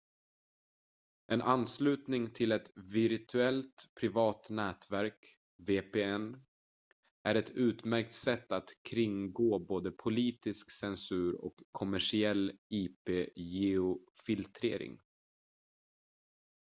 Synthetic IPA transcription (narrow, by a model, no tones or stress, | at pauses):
ʔɛnʔanːslʉ̟ːt̪nɪŋt̪ʰɪlɛt̪vɪɾt̪ʰɵɛlt̪pʰɾɪvɑːt̪nɛːt̪væɾk | veːpeːɛn | ʔæɾɛt̪ʉ̟ːt̪mæɾk̚t̪sɛt̪ːat̪kʰɾɪŋɡoːboːd̪əpʰʊliːt̪ɪsksɛnsʉ̟ːɾɔ̰kʰːɔmæʂɪɛlːiːpeːjeʊfɪlt̪ʰɾḛːɾɪ̰ŋ